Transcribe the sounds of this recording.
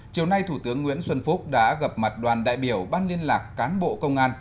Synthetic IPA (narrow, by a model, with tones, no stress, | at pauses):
t͡ɕi˨˩əwna˧jt̪ʰu˧˩t̪ɨ˨˦əŋːwi˧˥ənswə˧nfu˦˥t̚ɗa̰ː˧˥ɣə˨˩p̚ma˨˩t̚ɗwaː˨˩nɗa̰ː˧˨jɓi˧˩əwɓaː˧nli˧ənlaː˨˩kːaː˨˦nɓo̰˧˨kə˧wŋ͡mʔaː˧n